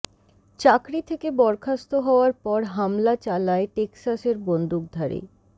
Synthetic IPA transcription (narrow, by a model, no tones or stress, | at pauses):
t͡ɕakɾit̪ʰekebɔɾkʰast̪oɦɔoaɾpɔɾɦamlat͡ɕalaeʈeksaseɾbond̪ʱuk̚d̪ʱaɾḛ